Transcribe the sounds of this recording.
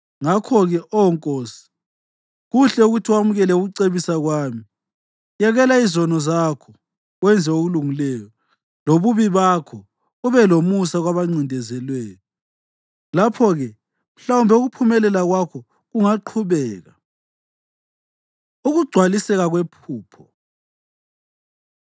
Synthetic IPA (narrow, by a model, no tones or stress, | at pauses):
ŋakʰɔɣɛʔɔŋkʼoːsi̥ | ɣuɬɛuɣutʰiwamuɣɛlɛuɣuǀeβisaɣwaːmi | jaɣɛlaizɔnɔzakʰɔ | wɛnd͡zʱɛoɣuluŋilɛjɔ | loβuβiβakʰɔ | uβɛlomusaɣwaβaŋ͡ǀindʱɛzɛlwɛːjɔ | lapʰɔɣɛ | m̩ɬawumbʱɛuɣupʰumɛlɛlaɣwakʰɔ | ɣuŋaǃʰuβɛːɣa | uɣuɡ͡ǀ̥ʱwalisɛɣaɣwepʰuːpʰɔ